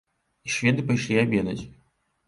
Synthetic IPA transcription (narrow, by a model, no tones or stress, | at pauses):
iʂvʲɛd̪ɨpajʂlʲiabʲɛd̪ɐt͡sʲ